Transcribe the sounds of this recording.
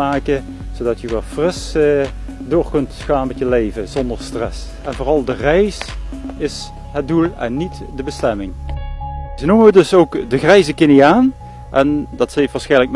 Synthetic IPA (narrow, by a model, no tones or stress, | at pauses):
aːkə | zodɑtjəʋɛlˠfrɪs | doːɹkɵntxaːnmɛtjəlejvəzɔndəɹstrɛ̰s | ɛnvoːrɑlˠdərɛjsɪs | ɦət̚dulˠɛ̰nːitdəbəstɛmɪŋ | zənuməʋədɵsowkdəɣrɛjzəkeniaːn | ʔɛndɑtsejftʋaːɹsxɛjnlək̚